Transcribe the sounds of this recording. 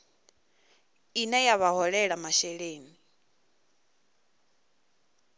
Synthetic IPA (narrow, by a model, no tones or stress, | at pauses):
inɛjaβaɦɔɺɛɺamaʃɛɺeːni